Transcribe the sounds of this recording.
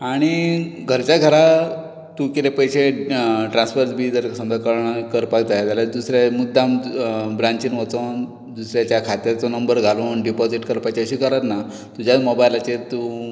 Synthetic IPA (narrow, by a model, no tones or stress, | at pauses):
aɽ̃iɡʱəɾt͡ɕjaɡʱəɾa | t̪ukit̪epəjɕeʈɾãnsfəɾt͡sbʱiːd͡zəɾsəmd͡z̪əkəɾɳakəɾpakd͡zajat̪jalad̪usɾjamud̪ʱːambɾaɲt͡ɕiːnʋət͡son | d̪usɾjat͡ɕjakʰat̪jat͡sɔnəmbəɾɡʱalonɖipɔd͡ziʈkəɾpajt͡ɕiəɕiːkəɾat̪na | t̪ud͡ʑʱjamobajlat͡ɕet̪u